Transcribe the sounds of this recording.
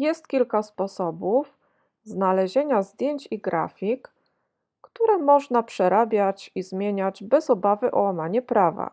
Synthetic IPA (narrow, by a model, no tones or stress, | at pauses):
jɛst̪̚kʲilkaspɔsɔbuf | znalɛʑeɲazd̪ʲjeɲt͡ɕiɡɾa̰fʲikː | t̪uɾɛmɔʐnapʂɛɾabʲjat͡ɕizmʲjeɲad͡ʑbɛzɔbavɘʔɔwamaɲɛpɾava̰